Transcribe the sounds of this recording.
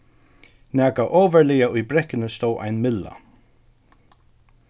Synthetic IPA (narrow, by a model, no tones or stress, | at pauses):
nɛːkaʔoːvɛɹlɪːaʊjbɾɛkɪnəst̪owʔa̰jnmɪlːa̰